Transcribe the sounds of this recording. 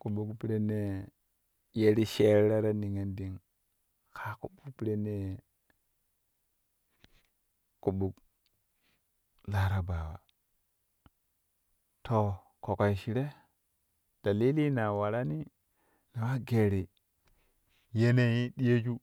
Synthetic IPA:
ku˨ɓu˦kpi˦ɾe˦ne˦ | je˦ɾi˦ʃe˦ɾɾa˦ɾa˦ni˨ŋe˦ndi˦ŋ | kʰa˦ku˨ɓu˦kpi˦ɾe˦ne˦˨ | ku˨ɓu˦k | la˦ɾa˨ba˨wa̰˨ | to˨ | ko˨ko˨ʃi˨ɾe˦ | d̥a˨li˦li˦na˨wa˨ɾa˦ni˦ | na˨wa˦ɡe˨ɾi˨ | je˦ne˦ji˦ɗi˦je˦d͡ʒu˦

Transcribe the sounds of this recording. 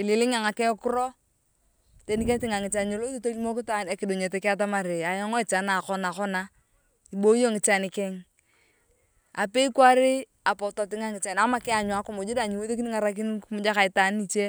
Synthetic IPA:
ɪ˨lɪ˨lɪ˦ŋa˨ŋa˨kɛ˦kʊ˦ɾɔ˦ | te˦ni˦k̬e˦tɪ˦ŋa˨ŋɪ˨t͡ʃa˨ne˨lo˦jo˦to˦li˦mo˦kɪ˦ta˨ne˨kɪ˨do˨ɲe˨tɛ˨kɪ˦a˦t̬a˦ma˨ɾɪ˨a˨jɔ˦ŋɔ˦ɛ˨t͡ʃa˨na˨kɔ˦na˨kɔ˦na˦ | i˨bo˦jo˦ŋɪ˨t͡ʃa˨nɪ˨kɛ˦ŋ | a˨pe˦i˦kwa˦ɾɪ˦ | a˨pɔ˨to˨tɪ˦ŋa˦ŋɪ˨t͡ʃa˨na˨ma˦kɪ˦a˨ɲwa˨˦kʊ˨mʊ˨d͡ʒu˦da˨ɲi˨wo˦ðe˦k̬i˦ni˦ŋa˨ɾa˦k̬i˦nkmʊ˦d͡ʒa˦ka˨ɪ˨ta˨˦n˦i˨t͡ʃe˦

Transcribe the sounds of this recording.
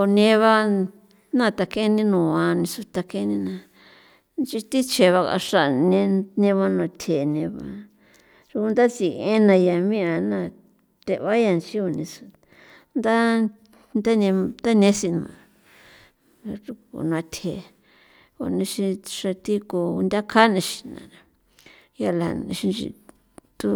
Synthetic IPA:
o˧nẽ˧βa˦ | nã˦˧˨t̪a˧ke˦nĩ˦nũ˨ã˧nĩ˧su˧t̪a˧ke˧˦nĩ˦nã˧ | nt͡ʃi˧t̪i˦t͡ʃe˨βa˧ka̰˧ʂa˧nẽ˧nẽ˧βa˦˧nũ˧t̪ʰe˨nẽ˧βa̰˧ | ʐu˧ku˧nd̪a˦t͡si˧˨˧ẽ˦nã˧ja˧˨mĩ˦ã˧˨nã˦˧˨ | t̪e˧βa˦ja˧˨nt͡ʃi˦o˧˨nĩ˧su̥˧ | nd̪a˦ | nd̪a˦nẽ˧d̪a˦nẽ˧˦si˧nũ˧ã˧ | u˧o̰˨ñ˧ã˧t̪ʰe˨ | o̰˧nĩ˧ʃi˧ʂa˧t̪i˦ko˧u˧nd̪ʲa˦kʰa˦nẽ˧ʃi̥˧nã̰˨nã˨˧ | ja˧lã̰˨˧ʃi˧nt͡ʃḭ˧ | t̪u˦

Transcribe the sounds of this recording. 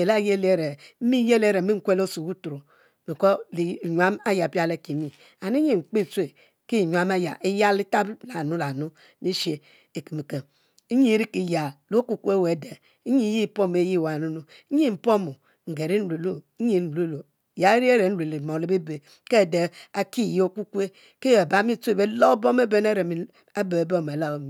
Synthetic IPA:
e˨la˦je˦le˦ɾe˨˦mi˦je˦le˦ɾe˨˦mi˦ŋ̩˦kʷe˦lo˦su˨wu˦tu˨ɾo˨ | mi˨ko˦li˨ɲʷ˨a˦ma˦ja˨pi˦a˦le˦˨ki˨mi˦ | a˨ni˦ɲi˦˨ŋ͡m̩˨k͡pi˦˨t͡sʷe˨ | ki˦˨ɲʷ˨a˨˦ma˦ja̰˨ʔi˦ja˦li˦ta˦bla˨nu˦la˨nu˦ | mi˦ʃe˨ | e˨ki˨mi˨ke˨ | i˦ɲi˦ɾi˦ki˨ja˨lo˦ku˨ku˦e˦we˨de˨ | i˦ɲi˦ji˦˨po˦m˨e˦ji˦˨wa˨nu˦nu˦ | ɲi˦m̩˨po˦mo˨ | ŋ̩˨ɡe˨ɾi˦n̩˦le˨lo˦ɲi˨n̩˨le˦˨lo˨ | ja˦ɾi˦e˦ɾe˨n̩˦le˨le˨mo˨le˦be˦be˨ | ke˦˨de˨a˨ki˦˨jo˦ku˦kʷe˦ | ke˦e˨ba˨˦mi˦t͡su˦e˦˨be˦lo˦bo˦m˦e˦be˦ne˦ɾe˨mi˨ | a˦be˨e˨bo˦m˨e˨la˨o˨m˨

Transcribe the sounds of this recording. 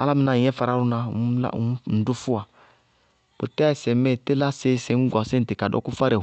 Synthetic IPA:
a̰˦la˦mi˨na˨i˨˦ɛ˦fa˨ɾa˦ɾu˦na˧˨˦la̰˦˨˦n̩˨du˦fu˦a˨ | bo̰˨tɛ˦a˦i˨sɛ˨mɛ˦˨te˦la˦se˦se˨˦ŋ̩˦ɡɔ˨sɛ˦n̩˨ti˨ka˨dɔ̰˦ku˦fa˦ɾɛ˨

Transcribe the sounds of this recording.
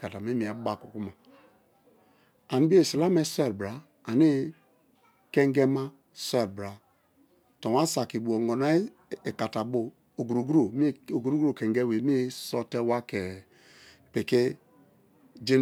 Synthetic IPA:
ka˨ta˨mi˦mi˨a˨˦ba˦ku˨ku˦ma˨ | a˨n˦bi˦e˦˨si˨la˦me˦se˦˨lbɾa˨ | a˨ni˦ | ke˦ŋ˦ɡɛ˦ma˦ | se˦˨lbɾa˨ | to˨wa˦sa˨ki˨bu˨o˨ŋɡo˨na˦ | e˨ka˨ta˨bo˨ | o˨ɡu˨ɾo˨ɡu˦ɾo˨m˦o˨ɡu˨ɾo˦ɡo˦˨ke˨ŋɡe˦we˨mi˦sɔ˦te˦wa˦ke˨ | pe˨ke˦ | d͡ʒi˦

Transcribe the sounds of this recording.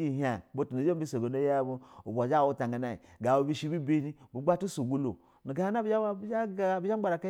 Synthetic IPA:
i˨ɦa˨bo˦tu˨nu˨d͡ʒo˦bi˦so˨ɡo˨no˦ja˦˨bo˦o˨ba˨d͡ʒa˦˨wu˦ta˨ŋɡa˨na˨i˨ɡa˨wo˨bi˦ʃi˦bi˦be˦ni˦bu˨ɡ͡ba˦tu˦su˨ɡu˦lo˨ | nu˨ɡa˨ha˦na˦ba˦d͡ʒa˦˨bi˦d͡ʒa˦ɡ͡ba˨ɾa˨ka˦

